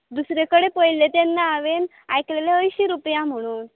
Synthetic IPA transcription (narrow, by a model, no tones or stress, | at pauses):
d̪usɾekəɽepəjlet̪enːaːʋen | ajkleleəjɕiɾupjam̤əɽ̃uːn